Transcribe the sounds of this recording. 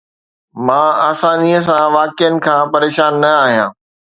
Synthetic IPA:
mãːaːsaːniəs̬ãʋaːkɪjənɪ̆kʰãːpɐɾeːʃaːnːɐaːɦijã̰ː

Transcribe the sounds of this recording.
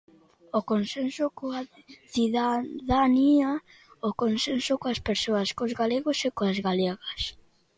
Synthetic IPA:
okonsensʊkoa | θiðaðania | okonsensʊkoaspeɾsoɐskozɣaleɣosekoazɣaleɣɐs

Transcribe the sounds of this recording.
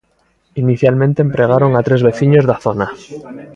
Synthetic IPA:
iniθjalmẽnt̪eːmpɾe̞ɣ̞aɾo̞ŋat̪ɾe̞zβe̞θiɲo̞zðaθo̞na

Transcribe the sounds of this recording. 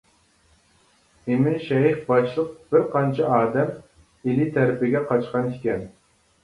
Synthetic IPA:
emɪnʃɛiχbɑʃlˠəq̚b̥ɪɾqʰɑnt͡ʃʰiɑːd̪ɛm | ilit̪ʰæɾɪpɪɡʲɛqʰɑt͡ʃqɑnɪkʲɛn

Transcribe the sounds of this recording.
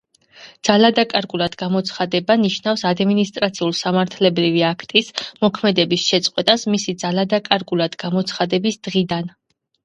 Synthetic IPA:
d̪̥z̥alad̪akʼaɾɡʼulˠad̪ɡamɔt̪sʰχad̪ɛbaniʃnafsad̪minist̪ʼɾat̪sʰiulˠsamaɾt̪ʰlɛbɾiviakʰt̪ʼismɔkʰmɛd̪ɛbisʃɛt̪sʼqʼwɛt̪ʼasmisid̪zalad̪akʼaɾɡʼulˠad̪ɡamɔt̪sʰχad̪ɛbisd̪̥ʁid̪an

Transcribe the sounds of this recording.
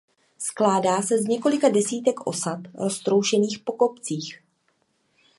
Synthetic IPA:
sklaːdaːsɛzɲɛko̞lɪkadɛsiːt̪ɛkʔo̞̰sat̪ɾo̞st̪ɾowʃɛniːxpo̞kopt͡siːx

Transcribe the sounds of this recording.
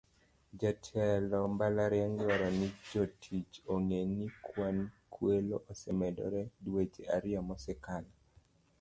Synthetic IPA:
d͡ʒatʰɛlɔmbalaɾjaŋɡɪwaɾanid͡ʒɔtʰit͡ʃoŋenikʰwankʰweloʔosɛmɛdɔ̰ɾɛdwet͡ʃeaɾɪɔmɔsɛkala

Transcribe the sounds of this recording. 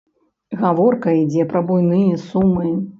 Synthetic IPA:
ɣavɔrkɐid͡zʲɛpɾɐbujnɨjɛsumːɨ

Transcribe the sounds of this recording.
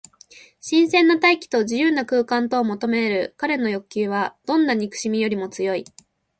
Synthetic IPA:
ɕĩɰ̃sẽ̞nːat̪aikʲi̥t̪o̞ʑijɯ̟ːnːakɯ̟ːkãnt̪o̞ːmo̞t̪o̞me̞ɾɯ̟kaɾe̞no̞jo̞kʲɨːβad̪̥õ̞nːaɲ̟ikɯ̟̥ɕimʲijo̞ɾʲimo̞t͡sɨjo̞i

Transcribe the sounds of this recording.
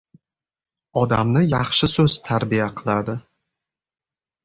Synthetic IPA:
ɒd̪amnɪjɑχʃɪsɵz̥t̪ʰaɾbijaqʰɨlˠaɾd̪ɪ

